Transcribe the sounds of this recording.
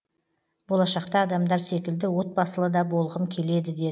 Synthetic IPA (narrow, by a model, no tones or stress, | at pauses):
bo̞lˠɑʃɑqt̪ɑːd̪ɑmd̪ɑɾse̞kʲɪld̪ɪwo̞t̪̚bɑsəlˠəd̪ɑbo̞lˠʁəmkʲʰe̞le̞d̪ɪd̪e̞